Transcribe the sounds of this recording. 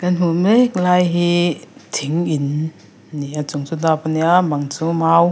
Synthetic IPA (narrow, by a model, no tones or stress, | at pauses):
kanɦumɛk̚laːjɦit̪ʰiŋʔin | niat͡sʊŋt͡sud̪ɔpaniamaŋt͡sumaw